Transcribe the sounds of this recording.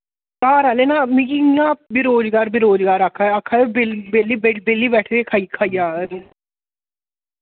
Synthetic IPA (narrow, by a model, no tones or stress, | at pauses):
t̪aːɾaːleːnaːmikijãːbɪɾoːd͡ʒɡaːɾbiɾoːd͡ʒɡaːɾakʰaakʰːaːebelbeːliːbeːbeːlːiːbɛːʈʰd̪eːkʰaːiːkʰaːijaːdiː